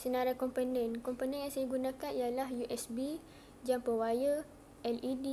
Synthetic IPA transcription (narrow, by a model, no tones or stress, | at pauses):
sənaɾakɔmpənɛnkɔmpənɛ̃njaŋsajaɡunãkanijalahjuʔɛsbi | d͡ʒampəwajə | ʔɛlidi